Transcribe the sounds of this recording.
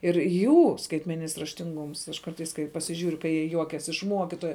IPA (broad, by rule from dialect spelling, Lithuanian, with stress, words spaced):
ɪr ˈjuː skɐɪtʲmʲɛˈnʲɪnʲɪs rɐʃʲtʲɪŋˈɡʊms ɐʃ ˈkɐrtɐɪs kɐɪ pɐsʲɪˈʒʲuːrʲʊ kɐɪ jiɛ ˈjuɔkʲɛs ɪʃ ˈmuɔkʲɪtoːjɛ